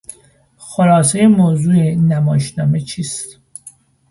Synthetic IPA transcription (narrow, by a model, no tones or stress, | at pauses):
xolɒːs̬ejemoːzuːenæmɒːʃnɒːmet͡ʃʰiːst̪